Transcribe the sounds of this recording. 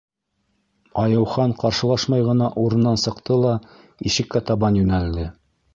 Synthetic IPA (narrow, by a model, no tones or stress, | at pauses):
ɑjɤ̆wχɑɴqɑɾʃɤ̆lˠɑʃmɑjʁɤ̆nɑʔuɾɤ̆nːɑnsɤ̆qt̪ɤlˠɑ | iʃɘ̆kːæt̪ɑβɑnjʉnæld̪ɘ